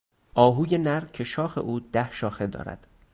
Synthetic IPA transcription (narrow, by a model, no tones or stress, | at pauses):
ʔɒːɦuːje̞næɾcʰeʃɒːxe̞̰ʔuːd̪̥æhʃɒːxe̞d̪ɒ̰ːɾæ̰d̪̥